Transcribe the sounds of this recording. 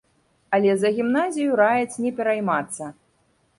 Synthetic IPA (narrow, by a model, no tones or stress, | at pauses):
ɐlʲɛzɐɣʲimnazʲijuɾajɛsʲnʲɛpʲɛɾajmat̪sːɐ